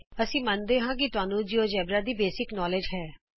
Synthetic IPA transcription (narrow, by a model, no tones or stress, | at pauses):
əsĩːmənd̪eːɦãːk̬ɪt̪ʊaːnũːd͡ʒioːd͡ʒɛːbɾaːd̪iːbeːsɪknɔːleːd͡ʒɦɛː